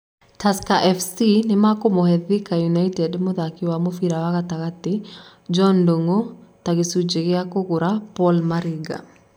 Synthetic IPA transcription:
taskaʔɛfsinemakomohɛðikajunaitɛdmoðakiwamofiɾawaɣataɣate | d͡ʒɔndoŋotaɣesud͡ʒeɣeakoɣoɾapɔlmaɾiɡa̰

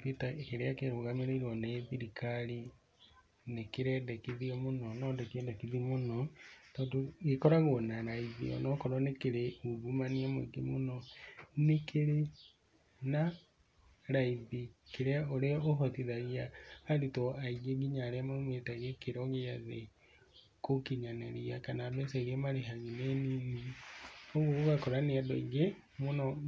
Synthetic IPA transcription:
pitakeɾeakeɾoɣameɾeiɾwɔneðiɾikʰaɾi | nekeɾɛdɛkiðiɔmonɔnɔdɛkiɛndɛkiðimonɔtɔːndoɣekɔɾaɣonaɾaiðḭɔ̰nɔkɔɾɔnekeɾeuβumaniamoiɡemonɔnekʰeɾe | na | ɾaiðikeɾaoɾeɔoɦɔtiðaɣiaːɾitɔaiɣeɡiɲaɾeamamwetaɣekeɾɔɣeaðe | kokiɲanɛɾiakanabɛsɛɣemaɾeɦaɣineniɣi | ɔɣoɣakɔɾaneadɔiŋɡe | monɔ

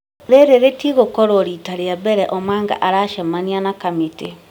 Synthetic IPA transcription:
ðeɾeɾetiɣokɔɾɔɾitaɾeabɛɾɛʔɔmaːŋɡa̰ʔaɾaʃamanianakamete

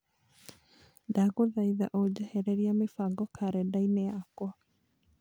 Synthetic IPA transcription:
daɡoðajða̰ʔod͡ʒaheɾeɾiamifaɡɔkʰaɾɛdajneaakoa

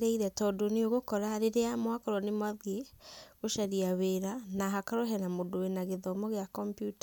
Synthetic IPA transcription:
ɾeiɾɛtɔdoneoɣokɔɾaɾeɾeamwakɔɾwɔnemwaðeɣoʃaɾiaweɾanaɦakaɾɔɦɛnamodowenaɣeðɔmɔɣeakɔmpjuta

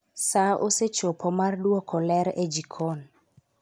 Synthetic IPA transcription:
saʔo̰set͡ʃopʰɔmardwɔkʰɔlɛɾed͡ʒikʰon

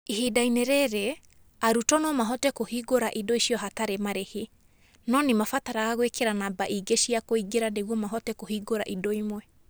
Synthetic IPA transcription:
ihidaineɾɛɾe | aɾutɔnɔmaɦɔtɛkohiːɡoɾaʔidoiʃiɔɦataɾemaɾehe | nɔnemafataɾaɣaɣwekeɾanabaʔiɡeʃiakoiɡeɾaneɣwɔmaɦɔtɛkohiːɡoɾa̰ʔidoimwɛ

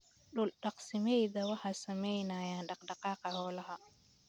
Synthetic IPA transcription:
ɗʊlɗɑqsɐmɛjðɐwɑħasɐmɛjnaːjaːnɖɑqɖɑqɑːqɑhɔːlɐɦɐ

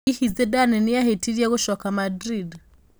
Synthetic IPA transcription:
ihizɛdanɛnijaɦɛtʰiɾiaɣuʃɔkamadɾid

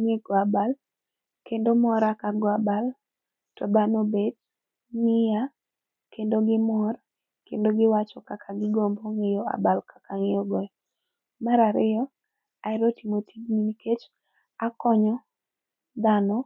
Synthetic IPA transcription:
ŋekɔabal | kendomɔɾakaɡɔabal | tɔbanobed̚ | ŋɪja | kendoɡɪmɔr | kendoɡɪwat͡ʃɔkakʰaɡɪɡomboŋejɔa̰balkʰḁkaŋɪjɔɡɔɛ | maɾaɾɪɔ | aɪɾotimotiɡminiket͡ʃ | akɔɲɔ | d̪anɔ

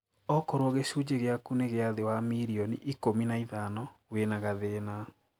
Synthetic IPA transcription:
ɔkɔɾwɔɣeɕud͡ʑeɣeakuneɣeaðewamiɾiɔnḭʔikominaiðanɔwenaɣaðena

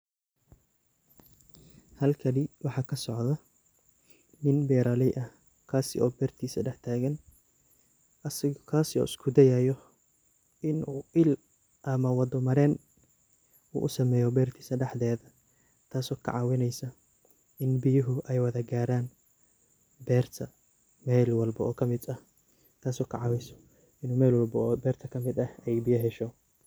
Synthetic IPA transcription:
hɐlkʰɐnɪwɑħɑːkʰɐsɔʕðɐ | nɪnbɛːɾalɪʔɐ | kʰaːsɪ̰ɔːbɛːrt̪ʰiːsɐɖɛħt̪ʰaːɣɐn | ʔɐsɪkʰaːsɪɔ̰ːʔɪskʰʊd̪ɛjajɔ | ɪnuːɪl | ʔɐmɐwɑd̪ɔmɐɾɛːn | ṵːʔʊsɐmɛːjɔbɛːrt̪ʰi̥ːsɐɖɛħðɛːðɐ | t̪ʰaːsɔːkʰɐ̰ʕɑwɪnɛjsɐ | ɪnbɪjʊɦʊʔɛjwɐðɐɡaːɾaːn | bɛːrt̪ʰɐ | mɛlwɑlbɐʔɔːkʰɐmɪd̪ɐh | t̪ʰaːsɔːkʰɑ̰ʕɑwɛjsɐ̥ | ɪnuːmɛːlwɐlbɐːbɛːrt̪ʰɐkʰɐmɪd̪ɐhɛjbɪjɐɦɛʃɔ

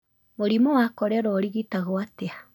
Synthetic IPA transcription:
moɾimɔwakɔɾɛɾɔɾiɣitaɣoatea

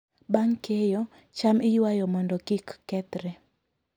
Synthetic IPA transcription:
baŋkejo | t͡ʃamɪjwajɔmɔndɔkikːɛt̪ɾɛ

